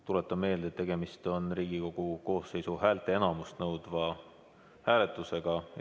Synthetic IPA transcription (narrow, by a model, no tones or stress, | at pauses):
t̪ulet̪ˑːɑme̞ːld̪et̪ːe̞ɡ̥e̞mist̪o̞nriːɡiko̞ɡ̥uko̞ːsːe̞jsuhæːlt̪ˑe̞e̞nɑmust̪nɤwd̪̥vɑ | hæːle̞t̪ˑuse̞ɡ̥ɑ